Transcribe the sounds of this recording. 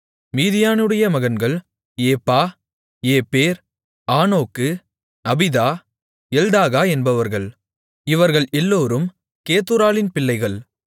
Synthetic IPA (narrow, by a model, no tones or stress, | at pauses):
miːðɪjaːnɯɽɐjɐmɐɣɐnɡɐɭ | eːpːaː | eːpeːɾ | aːnoːkːɯ | ɐbɪðaː | ɛld̪aːɣaːɛnbɐʋɐɾɣɐɭ | ɪʋɐɾɣɐɭɛlːoːɾɯm | keːt̪ːɯɾaːlɪnpɪlːɐɪɣɐɭ